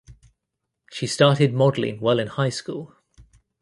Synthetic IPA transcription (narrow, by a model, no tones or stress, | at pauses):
ʃistɑˑtɪd̚mɒdˡlḭ̃ŋwɛlɪ̃nhaɪskuːlˠ